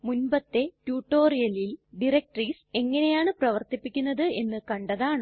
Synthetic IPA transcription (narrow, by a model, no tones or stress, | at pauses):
munbɐt̪ːe̞tjuːʈːo̞ːrijɐlilɖirek̚ʈriːse̞ŋːɐne̞jaːɳɨprɐʋɐrt̪ipːikʲːunːɐðɨe̞nːɨkɐɳɖɐðaːɳɨ